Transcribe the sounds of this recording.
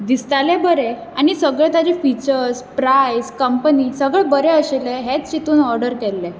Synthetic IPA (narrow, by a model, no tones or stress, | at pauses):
d̪ist̪alebəɾe | aɽ̃isəɡɭẽt̪at͡ɕefit͡ɕəɾspɾajskəmpənisəɡɭebəɾeəɕeleɦet͡st͡ɕit̪uːnɔɾɖəɾkɛlːe